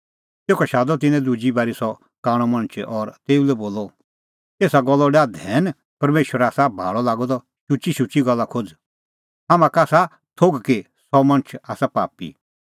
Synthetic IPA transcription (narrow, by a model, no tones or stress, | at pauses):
teːkʰɔʃaːd̪ɔt̪ɪnɛ̃d̪ud͡ʒibaːɾisɔ | kaːɽ̃ɔmɐ̃nt͡ʃʰʔɔɾt̪eːulɛboːlːɔ | eːsaɡɔlːɔɖaːd̪ɛːn | pɐɾmeːʃwəɾaːsabʱa̰ːɽɔlaːɡɔd̪ɔ | ʃʊt͡ʃiʃʊt͡ʃiɡɔlːakʰod͡z | ɦamãkaːsa | t̪ʰoɡke | sɔmɐ̃ñət͡ʃʰaːsapa̰ːpḭ